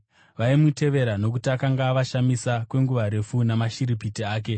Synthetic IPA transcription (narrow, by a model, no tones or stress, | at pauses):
ʋaimute̞ʋe̞ɾano̞k̬utiakaŋɡaːʋaʃamisakwe̞ŋɡuʋaɾe̞funamaʃiɾip̬itiaːk̬e̞